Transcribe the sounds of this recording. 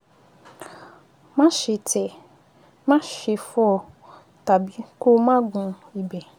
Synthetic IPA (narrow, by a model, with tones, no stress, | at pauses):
mã˦ʃɪ˨tʰɛ˨ | mã˦ʃɪ˨fɔ˨ | ta˨bi˦ko˦mã˦ɡũ˨ | i˨be˨